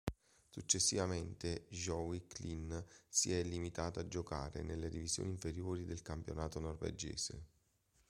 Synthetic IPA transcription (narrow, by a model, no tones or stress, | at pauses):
sut͡ʃːesːivament̪eʒɔwiklinsḭɛlːimit̪aːt̪aad͡ʒːoka̰ːɾḛnelːed̪ivizjo̰ːniɱfeɾjoːɾid̪elkampjo̰naːt̪onɔrvḛd͡ʒḛːsḛ